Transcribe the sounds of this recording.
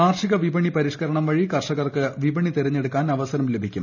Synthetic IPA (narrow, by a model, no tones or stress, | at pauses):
aːrʂiɣɐʋibɐɳipɐɾiʂkɐɾɐɳɐmʋɐɻikɐrʂɐɣɐrkɨʋibɐɳit̪iɾɐɲːeɽukːaːnɐʋɐsɐɾɐmlebʱikʲːum